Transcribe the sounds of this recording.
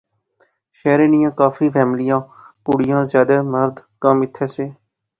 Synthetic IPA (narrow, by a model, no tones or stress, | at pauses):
ʃɛːɾeːnɪjãːkaːfʰiːpʰɛːmlɪjãː | puɽɪjãːzjaːd̪aːməɾd̪kəmɪt̪ʰːɛːseː